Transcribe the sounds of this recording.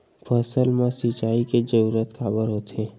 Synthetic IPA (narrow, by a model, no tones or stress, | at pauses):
pʰəsəlmẽsit͡ʃaːiked͡ʒəɾuːɾət̪kaːbəɾɦot̪e